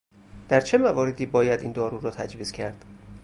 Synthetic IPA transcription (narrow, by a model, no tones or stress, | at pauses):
d̪̥æɾt͡ʃʰe̞mævɒːɾe̞d̪iːbɒːjæd̪ind̪ɒːɾuːɾɒːt̪ʰæd͡ʒviːz̥cʰæɾd̪̥